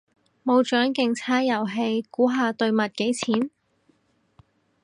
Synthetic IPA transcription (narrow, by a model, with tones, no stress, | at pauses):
mo˨˧wt͡ʃœː˨˥ŋkɪ˨ŋt͡sʰaː˥jɐ˨˩wɦe˧jkuː˨˥ɦaː˧t̪ɵ˧ɥmɐ˨t̚ke˨˥jt͡sʰiː˨˥n